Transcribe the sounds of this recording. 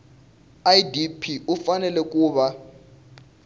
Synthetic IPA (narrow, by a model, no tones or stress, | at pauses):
ajdipʰiufanɛlɛk̬ʼuːɓa